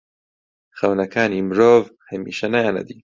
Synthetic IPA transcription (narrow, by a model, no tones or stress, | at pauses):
xɐwnɐkʰaːnimɾoːvhɐmḭːʃɐnɐjaːnɐ̰d̪iː